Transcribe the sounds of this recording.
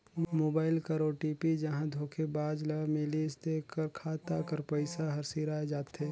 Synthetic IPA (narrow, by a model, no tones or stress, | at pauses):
moːbaːɪlkəɾoːʈiːpid͡ʒɐɦãd̪ʱoːkʰebaːd͡ʒlɐmelist̪ekəɾkʰaːt̪akəɾpəɪsaɦɐɾsiɾaed͡ʒaːt̪eː